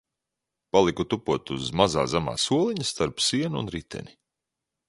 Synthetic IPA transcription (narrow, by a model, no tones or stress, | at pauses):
palˠikut̪upuɔt̪uzmaza̰ːzama̰ːsuɔlˠiɲust̪aɾpsiɛn̰ːnɾit̪ʰɛ̰ni